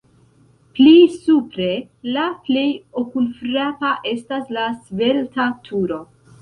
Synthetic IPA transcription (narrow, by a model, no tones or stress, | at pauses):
plisupɾe̞ | laple̞jokulfɾapaʔe̞staslasve̞ltatʰuɾo̞